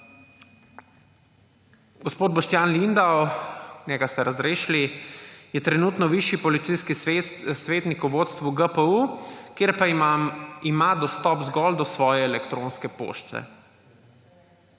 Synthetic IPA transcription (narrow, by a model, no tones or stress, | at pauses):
ɡɔspoːd̪̚bɔʃt̪jaːnlind̪awnʲjɛɡast̪ɛɾazɾeːʃlijɛt̪ɾɛnuːt̪nɔʋiʃjipɔlit̪sijskisʋeːt̪nikuʋoːt̪st̪ʋuɡəpəukjeɾpa | imad̪ɔst̪ɔpzɡɔld̪ɔsʋɔːjɛːlɛkt̪ɾõnskɛpo̰ʃt͡s̪ɛ̰